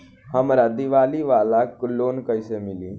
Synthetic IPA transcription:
həmɾad̪iʋaliʋalaklonkəjsemiliː

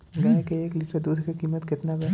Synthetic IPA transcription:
ɡɐkeeːkliːʈɾad̪uːsɾekekiːmət̪kɪt̪nabɛ

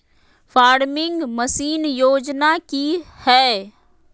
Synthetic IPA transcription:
fʰaːɾmɪ̃ŋɡməsiːnjoːd͡ʒnakihɛː

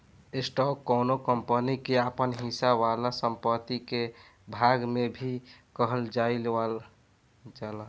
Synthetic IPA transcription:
esʈɔkːɔːnokəmpənikeapənɦisaʋalasə̃mpət̪ike | bʱaɡmebʱikəɦəld͡ʒaɪlʋal | d͡ʒala

